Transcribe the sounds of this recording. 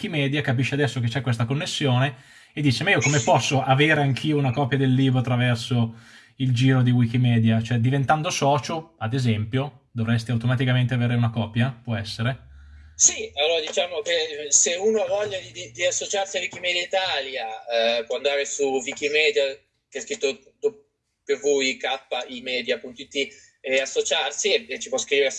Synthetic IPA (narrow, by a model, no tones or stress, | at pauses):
kimɛːd̪jakapiʃːead̪ɛsːoket͡ʃɛkːwes̬t̪akonːesːjoːne | ed̪ːiːt͡ʃemaiokomepɔsːoʔaveːɾeaŋk̟ʰiːounakɔpːjad̪elːiːbɾoat̪ːɾavɛrso | ild͡ʒiːɾod̪iwik̟imɛːd̪jat͡ʃoɛd̪ivent̪and̪osɔːt͡ʃoad̪ezɛmpjo | d̪ovɾɛst̪iawt̪omat̪̬ikament̪eaveːɾeunakɔːpjapwɔɛsːeɾe | sialːoːɾad̪it͡ʃaːmokeseuːnoavɔʎːad̪id̪id̪iasːot͡ʃarsiavik̟imɛd̪jait̪aːljapwɔand̪aɾesuvikimɛːd̪ja | keɛskɾit̪ːo | d̪o | pevuikapːaʔimɛːd̪japunt̪oit̪ːi | easːot͡ʃarsiet͡ʃːipwɔskɾiːveɾe